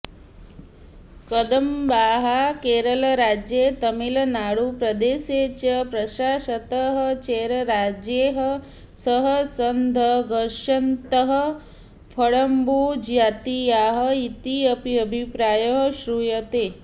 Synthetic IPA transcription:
kɐd̪ɐmbaːɦakeːɾɐlɐɾaːd͡ʒjeːt̪ɐmilɐnaːɽupɾɐd̪eːseːt͡ʃɐpɾɐʃaːʃɐt̪əɦɐt͡ʃeːɾɐɾaːd͡ʒjeːɦɐ | sɐɦəsɐnd̪ʱəɡɐɾʂɐnt̪əɦɐ̆ | pʰɐɽɐmbud͡ʒjaːt̪ijaːɦɐit̪iɐpiɐbʱipɾaːjɐɦʃɾuːjɐt̪eː

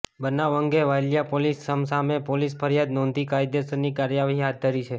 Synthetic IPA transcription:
bənaʋəŋɡeʋajljapolisːəmsamepolispʰəɾjad̪nɔ̃nd̪ʱikajd̪esənikaɾjaʋɦiɦat̪̚d̪ʱəɾit͡ʃʰe

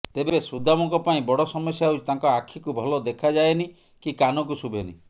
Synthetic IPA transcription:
t̪ebesud̪ʱamɔŋkɔpaĩbɔɽɔsɔmɔsjaut͡ʃit̪aŋkɔakʰikubʱɔlɔd̪ekʰad͡ʒaeni | kikanɔk̬usubʱenḭ

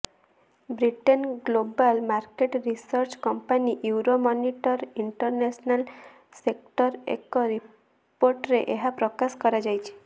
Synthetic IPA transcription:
bɾiʈɔnɡlobalmaɾkeʈɾisɔɾt͡ʃkɔmpaniʔuuɾomɔniʈɔɾiɳʈɔɾnesɔnal | sekʈɔɾḛkɔɾi | poɾʈɾeʔeɦapɾɔkaskɔɾad͡ʒajt͡ʃʰi̥

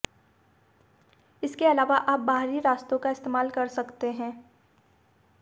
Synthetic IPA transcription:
ɪskeɐlaːʋaʔaːp̚baːɦɾiɾaːst̪õkaɪst̪eːmaːlkɐɾsɐkt̪eɦɛ̃ː

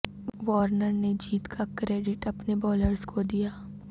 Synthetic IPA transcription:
ʋɔːɾnəɾned͡ʒiːt̪kʰakɾeːɖɪʈɐpnebɔːləɾskʰod̪ijaː

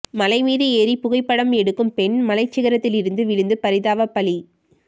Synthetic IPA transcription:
mɐlɐɪmiːðɯeːɾipʊɣɐɪpːɐɽɐmɛɽɯkːɯmpɛɳmɐlɐɪt͡ʃːɪɣɐɾɐt̪ːɪlɪɾɯnd̪ɯʋɪɻɯnd̪ɯpɐɾɪðaːʋɐpɐli

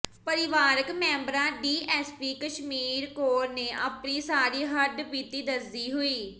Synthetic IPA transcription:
pəɾɪʋaːɾəkmɛ̃ːmbɾãːɖiːʔɛːspiːkəʃmiːɾkoːɾneːʔəːpniːsaːɾiːɦəɖpiːt̪iːd̪əsiːɦʊiː

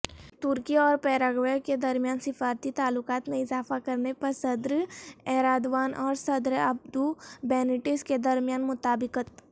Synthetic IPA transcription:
t̪ʊɾkiɔːɾpɛːɾaːɡʋəjked̪ɐɾmijaːnsɪfaːɾt̪it̪aːlʊkaːt̪mẽɪzaːfakɐɾnepɐɾsɐd̪ɾɛːɾaːd̪ʋaːnʔɔːɾsɐd̪ɾɐb̚d̪ubɛːnɪʈɪsked̪ɐɾmijaːnmʊt̪aːbɪkət̪

